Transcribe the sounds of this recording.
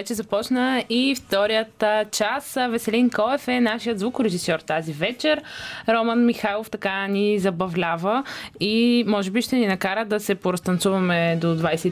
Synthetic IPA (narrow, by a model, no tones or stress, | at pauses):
vɛt͡ʃɛzɐpɔt͡ʃnəift̪ɔɾijət̪t͡ʃasvɛsɛlinkɔɛfɛnaʃijət̪zvukɾɛʒisɔɾt̪azivɛt͡ʃɛɾɾɔmənmixalˠoft̪ɐkanizɐbɐvlʲavəimɔʒɛbiʃt̪ɛninɐkaɾəd̪ɐsɛpoɾɐst̪ɐnt̪suvɐmɛd̪od̪vajsɛ